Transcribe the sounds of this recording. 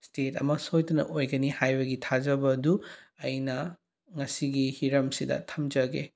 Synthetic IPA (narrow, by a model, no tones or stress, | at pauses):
stetɐ̰mɐsojtɐnɐ̰ʔojɡɐnihajbɐɡitʰazɐbɐduɐjnɐ | ŋɐsiɡihiɾɐmsidɐ̰tʰɐmd͡ʒɐɡe